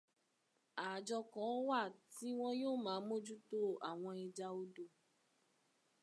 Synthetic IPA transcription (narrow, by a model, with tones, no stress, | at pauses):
a˨d͡ʒɔ˧kɔ̃˨˦wa˦˨ti˦w̃ɔ̃˦joː˦˨mã˨˦mo˦d͡ʒu˦to˦a˨w̃ɔ̃˧i˧d͡ʒa˧o˦do˧˨